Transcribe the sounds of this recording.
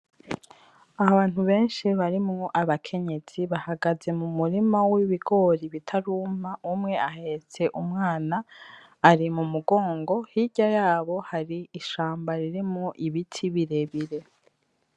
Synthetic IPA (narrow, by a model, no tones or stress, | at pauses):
aaβaːn̥huβe̞ːnʃiβaɾimŋo̞ʔaβakʰe̞ɲe̞z̥iβahaɡaze̞mumuɾimawiβiɡo̞ɾiβitʰaɾuːmaʔumŋe̞ahet͡se̞ʔumŋaːnaː | ɾimumuɡo̞ːŋɡo̞hiɟajaːβo̞haɾiːʃaːmbaɾiɾimŋoʔiβitʰiβiɾe̞βiɾe̞